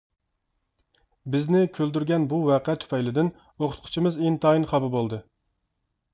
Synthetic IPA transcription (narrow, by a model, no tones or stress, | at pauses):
bɪznɪkʲʰøld̪yɾɡʲɛnbuwɛqʰɛt̪ʰy̥pʰɛjlɪd̪ɪn | oqʰʊ̥t̪̚qʰʊ̥t͡ʃʰimɨzent̪ʰɑinχɑbɨbolˠd̪ɨ